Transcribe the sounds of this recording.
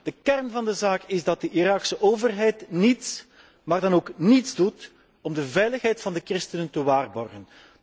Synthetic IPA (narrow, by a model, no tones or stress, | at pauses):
d̥əkɛrnvɑndəzaːkɪzdɑt̚dəʔiɾɑːksəʔoːvərɦɛjtnits | maːrdɑnoːknitzdut | ɔmdəvɛjləxɦɛjtfɑndəkrɪstənəntəwaːrbɔrɣən